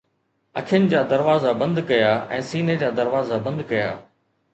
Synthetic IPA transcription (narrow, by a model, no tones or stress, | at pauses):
ɐ̰kʰɪjənɪ̆d͡ʑaːd̪ɐɾʋaːzabɐ̃nd̪kɐjaːɛ̰̃ːsiːned͡ʑaːd̪ɐɾʋaːzabɐ̃nd̪kɐja̰ː